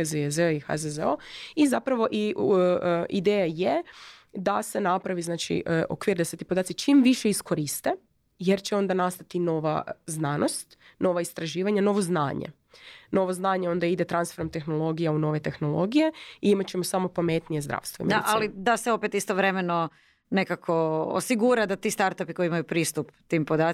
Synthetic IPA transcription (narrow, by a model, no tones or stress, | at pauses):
zezeoixa̰zezeoizapɾaʋo̞ʔi | id̪eːjajed̪ase̞napɾaʋiznaːt͡ʃḭʔʔo̰kʋiːɾd̪aset̪iːpod̪aːt̪it͡ʃiːmʋiʃe̞isko̞ɾist̪e̞ | jeɾt͡ɕeo̞nd̪anast̪at̪ino̞ʋa̰znaːnost̪no̞ʋaist̪ɾaʒiːʋaɲano̞ʋo̞znaːɲḛ | no̞ʋoznaːɲeo̞nd̪aid̪et̪ɾansfe̞ɾomt̪e̞xno̞lˠo̞ɡijauno̞ʋe̞t̪e̞xno̞lˠo̞̰ɡije̞iimat͡ɕe̞mosamo̞pame̞t̪nijezd̪ɾa̰ːʋst̪ʋoḭmialid̪aseo̞pet̪ist̪oʋɾemeno | nekakʰoosiɡuɾad̪at̪iːst̪aɾt̪apikoiimajupɾiːst̪upt̪iːmpod̪aː